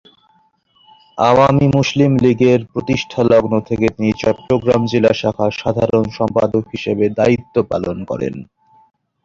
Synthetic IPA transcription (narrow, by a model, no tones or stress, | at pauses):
a̰wamimuslimliɡeɾpɾot̪iʃʈʰalɔɡnot̪ʰeket̪init͡ɕɔʈːɾoɡɾamd͡ʑilaʃakʰaʃad̪ʱaɾonʃɔmpad̪okɦiʃebed̪ait̪ːopa̰lonkɔ̰ɾḛn